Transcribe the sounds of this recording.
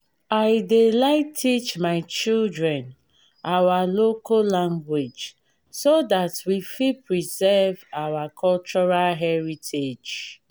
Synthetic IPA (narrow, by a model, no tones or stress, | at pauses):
aɪdelaɪtʰːit͡ʃmaɪt͡ʃildɹɛ̃n | awalokolãŋɡwed͡ʒ | sodatwifipɹizɛvawakʰɔlt͡ʃɔɹalɦɛɹitʰed͡ʒ